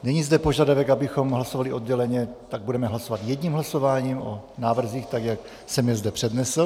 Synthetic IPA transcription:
nɛɲizdɛpo̞ʒadavɛkabɪxo̞mɦlaso̞valɪʔo̞d̪ɟɛlɛɲɛt̪aɡ̚budɛmɛɦlaso̞vat̪jɛdɲiːmɦlaso̞vaːɲiːmo̞naːvr̩ziːxt̪akjak | sɛmjɛzdɛpr̝̥ɛdnɛsl̩

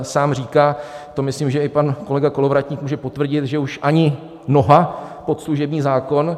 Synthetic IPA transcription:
saːmr̝iːkaːt̪o̞mɪslimʒɛɪpanko̞lɛɡako̞lo̞vɾat̪ɲiːkmuːʒɛpo̞t̪vr̩ɟɪt̪ʒɛuʃʔaɲɪ | no̞ɦapo̞t̪sluʒɛbɲiːzaːko̞n

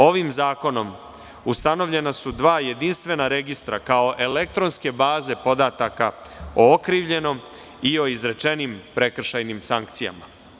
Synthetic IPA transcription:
o̞ʋimzaːko̞no̞m | ust̪ano̞ʋʎe̞nasud̪ʋaːje̞d̪inst̪ʋe̞naɾe̞ɡist̪ɾakao̞ʔe̞lek̚t̪ɾo̞nske̞baːze̞po̞d̪at̪akao̞okɾiːʋʎe̞no̞m | io̞izɾe̞t͡ʃe̞nimpɾe̞kr̩ʃajnimsaŋkt̪sija̰ma

